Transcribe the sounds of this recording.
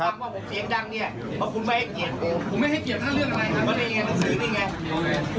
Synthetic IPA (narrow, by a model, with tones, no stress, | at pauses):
aː˧˩k̚waː˧˩pʰu˨˦mt͡ɕe˨˧˦nda˧˩ŋni˧˥˩ɐ | mɔː˧˩pʰu˨˧˦maː˧˥˩jha˧˩ki˨˩ət̪̚kʰo˧˦pʰu˨˧˦ma˥˩jha˥˩jki˨˩ət̪̚ʰaː˥˩lɯ˥˩əŋʔa˧ɾa˧jʰa˧˥˩maː˧˥˩naː˧˥˩ŋaː˧˩na˧˥ŋsɯː˨˦na˧˩jŋa˧˥˩